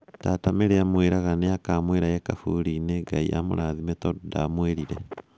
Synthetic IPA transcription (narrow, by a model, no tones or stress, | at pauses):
taːtameɾeamweɾaɣanejakaːmweɾajekafṵɾineɡaḭʔa̰mo̰ɾaðimetɔdamweɾiɾe